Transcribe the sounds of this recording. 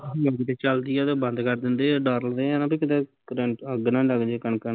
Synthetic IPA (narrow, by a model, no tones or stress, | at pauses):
əɡt̪eːt͡ʃəld̪iɛːt̪ẽːbə̃nd̪kəɾd̪ɪnd̪eːɖaːɾəld̪ẽːnãːpiːkɪt̪ẽːkɾeɳʈəɡnãːləɡd̪ekənkə